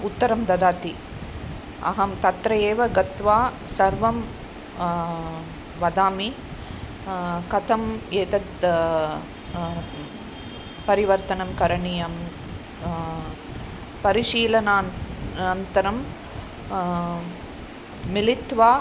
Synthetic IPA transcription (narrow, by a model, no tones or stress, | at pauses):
ut̪ːɐɾɐmd̪ɐd̪aːt̪i | ɐ̰ɦɐmt̪ɐt̪ɾɐjeːʋɐɡɐt̪ʋaːsɐɾʋɐm | ʋɐd̪aːmi | kɐt̪ʰɐmeːt̪ɐt̪ | pɐɾiʋɐɾt̪ɐnɐmkɐɾɐɳijɐm | pɐɾiʂiːlɐnaːɐnt̪ɐɾɐm | ilit̪ʋaː